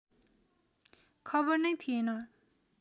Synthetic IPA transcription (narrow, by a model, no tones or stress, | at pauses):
kʰʌbʌrnʌjt̪ʰienʌ